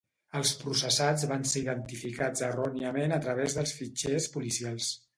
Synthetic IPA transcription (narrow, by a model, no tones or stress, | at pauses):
əlˠspɾusəsad͡zβanseiðənt̪ifikad͡zərɔniəmenət̪ɾəβezðəlˠsfit͡ʃespulisialˠs